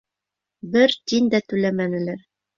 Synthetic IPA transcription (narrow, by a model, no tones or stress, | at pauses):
bɘɾt̪ind̪æt̪ɵ̆læmænɘ̆læɾ